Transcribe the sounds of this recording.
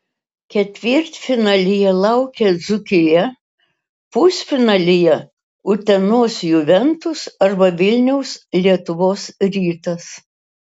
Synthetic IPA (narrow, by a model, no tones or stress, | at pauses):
kʲɛt̪ʲʋʲɪɾʲt̪ʲfʲɪnɑːlʲɪjɛlˠɐʊkʲɛd̪zʊkʲɪjɛ | puːsʲfʲɪnɑlʲɪjɛ | ʊt̪ʲɛnoːsjʊʋʲɛnt̪ʊsɐɾbɐʋʲɪlʲnʲɛʊslʲiɛt̪ʊʋoːsɾʲiːt̪ɐs